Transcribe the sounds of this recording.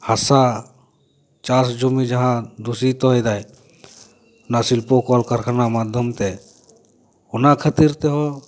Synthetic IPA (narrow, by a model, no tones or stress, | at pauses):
hasa | t͡ʃaːsd͡ʒumid͡ʒəɦãd̪usit̪ɔed̪aːj | nasɪlpokɔːlkəɾkʰəɾnamaːd̪ʱjəmt̪e | ʊnakʰət̪iɾt̪eɦɔ